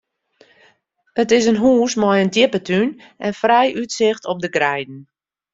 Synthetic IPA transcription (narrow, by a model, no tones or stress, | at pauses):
ətɪs̬ənɦuːsmɔjəndjɪpətʰyn | ʔɛnfrɛjʔytsɪxtʰɔp̚dəɡrɛjdn̩